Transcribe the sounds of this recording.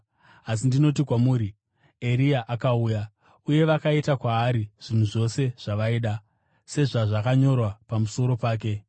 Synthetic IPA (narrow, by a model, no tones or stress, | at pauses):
as̬indino̞t̬ikwamuːɾi | e̞ɾiaʔakauːja | uje̞ʋakaitakwaːɾiʐ̥in̤uʐo̞se̞ʐ̥aʋaiːɗa | se̞ʐaʐakaɲo̞rwapamuso̞ɾo̞paːk̬e̞